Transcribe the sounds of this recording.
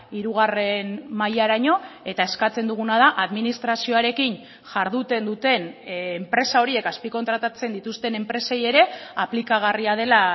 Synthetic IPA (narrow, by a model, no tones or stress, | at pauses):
iɾuɣ̞are̞nmajaɾaɲo̞e̞t̪ae̞skat͡se̞nd̪uɣ̞unað̞aʔaðminist̪ɾasio̞aɾe̞kin | ʝaɾðut̪e̞nd̪ut̪e̞nːmpɾe̞sao̞ɾie̞kaspiko̞nt̪ɾat̪at͡se̞nd̪it̪ust̪e̞ne̞mpɾe̞se̞je̞ɾe̞aplikaɣ̞ariað̞e̞la